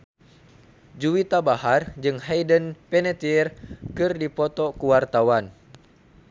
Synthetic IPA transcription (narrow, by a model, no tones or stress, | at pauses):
d͡ʒuwit̪abaɦard͡ʒɨŋhajdənpɛnɛt̪irkɨrdipɔt̪ɔkuwart̪awan